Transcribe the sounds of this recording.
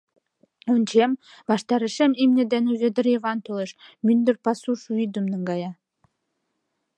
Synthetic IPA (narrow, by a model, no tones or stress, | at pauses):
unʲt͡ɕembɑʃt̪ɑɾə̆ʃĕmimnĕd̪enuzĕd̪ɘ̆ɾjeβɑnt̪olˠeʃmynd̪ɘ̆rpɑsuʃuid̪ə̆mnə̆ŋɡɑjɑ